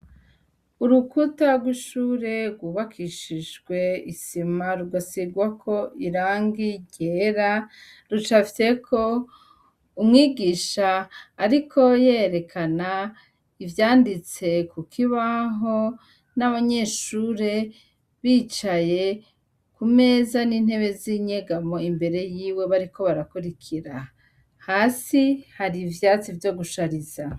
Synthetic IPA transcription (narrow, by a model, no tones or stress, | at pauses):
uɾukutaɡwiʃuːɾe̞ɾɡwuːβakʰiʃiʒɡwe̞isimaɾuɡasiɡwakʰo̞ʔiɾaːŋɡiɟeːɾa | ɾut͡ʃafse̞kʰo̞ | umŋiːɡiːʃaːɾikʰo̞jeɾe̞kʰana | ivjaːndit͡se̞kukʰiβaɦo̞ | naβaɲe̞ʃuːɾe̞ | βit͡ʃaje̞ | kume̞zanin̥he̞βe̞ziɲeɡamo̞imbe̞ɾe̞jiːwe̞βaɾiko̞βaɾakuɾikʰiɾa | haːsihaɾivjaːt͡sivjo̞ɡuʃaɾiza